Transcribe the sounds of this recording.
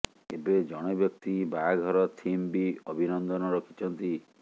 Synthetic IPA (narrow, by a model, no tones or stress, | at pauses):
ebed͡ʒɔɽ̃ebjɔk̚t̪ibaɡʱɔɾɔt̪ʰimbiɔbʱinɔnd̪ɔnɔɾɔkʰi̥t͡ʃʰɔnt̪i